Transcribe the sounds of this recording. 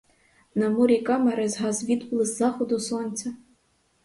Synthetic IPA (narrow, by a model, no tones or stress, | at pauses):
nɐmuɾʲikʼamaɾɛzɦazvʲid̪plˠɨzzaxod̪usonʲtt͡sʲɐ